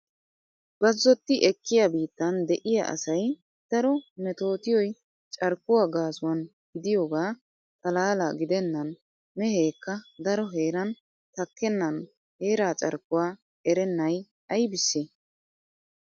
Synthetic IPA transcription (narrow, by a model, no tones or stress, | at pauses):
b̥ɐzːɔt̪ːɪʔɛkːɪjabiːt̪ːɐnd̪ɛʔɪja̰ʔɐ̰sɐj | d̪̥ɐɾɔmɛt̪o̞ːt̪ɪjɔj | t͡ʃʼɐɾkːʊwaːɡaːsʊwɐn | ɡɪd̪ɪjoːɡaː | t̪ʼɐlaːlaːɡɪd̪ɛnːɐn | mɛheːkːɐd̪ɐɾɔɦe̞ːɾɐn | t̪ɐkːɛnːɐn | he̞ːɾaːt͡ʃʼɐ̰ɾkːʊwaː | ɛɾɛnːɐj | ɐjbɪsːe